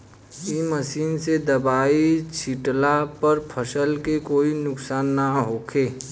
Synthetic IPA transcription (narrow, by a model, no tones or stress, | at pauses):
iməsiːnsed̪əbaːit͡ʃʰɪʈlapəɾpʰəsəlkekoːinʊksaːnːaɦoːkʰeː